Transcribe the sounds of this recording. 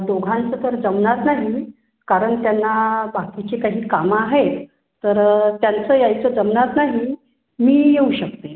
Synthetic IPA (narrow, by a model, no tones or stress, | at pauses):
d̪oɡʱãnt͡sət̪əɾd͡zəmnat̪naɦi | kaɾəɳt̪janːabakit͡ɕekaɦiːkamaɦet̪ | t̪ːəɾt̪jant͡səːjajt͡səːd͡zəmnat̪naɦi | miːjeuɕək̚t̪e